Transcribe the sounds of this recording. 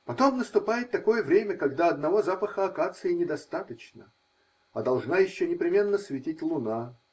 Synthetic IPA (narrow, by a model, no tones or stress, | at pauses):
pɐt̪o̞mnəst̪ʊpajɪt̪ːɐko̞jəvɾʲemʲəkɐɡd̪aɐd̪nɐvo̞zapəxəɐkat̪sɨɪnʲɪd̪ɐst̪at̪ət͡ɕnə̰ | ɐd̪ɐlˠʐnajɪɕːonʲɪpɾʲɪmʲe̞nːəsvʲɪtʲitʲlˠʊna